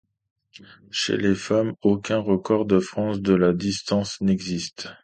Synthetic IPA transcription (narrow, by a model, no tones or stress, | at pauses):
ʃḛlefamokʲɛ̃ʁəkɔʁd̪əfχɑ̃sd̪əlad̪ist̪ɑ̃snɛɡzist̪